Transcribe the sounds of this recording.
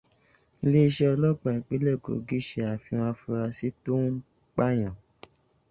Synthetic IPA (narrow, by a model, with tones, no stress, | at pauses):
le˦i˧ʃɛ˦ɔ˧lɔ˦k͡pa˨i˨k͡pe˨˦lɛ˦˨ɡo̰˨ɡi˦ʃe˧a˨fĩ˧w̃ã˧fu˧ɾa˧si˦tu˦ | k͡pa˦j̃ã˨